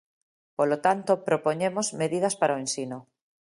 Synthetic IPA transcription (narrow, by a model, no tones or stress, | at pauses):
polot̪ant̪opɾopoɲemozmeðið̞aspaɾaoensino